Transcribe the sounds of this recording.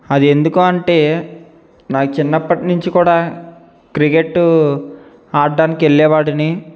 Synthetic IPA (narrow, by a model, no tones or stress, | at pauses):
ɐd̪ie̞nd̪ukuːɐɳʈe̞ː | naːkut͡ʃinːɐpːɐʈinuɲt͡ʃikuːɽaː | kɾikeʈːu | aːɾɖaːnikieɭːɛːʋaːɽɐni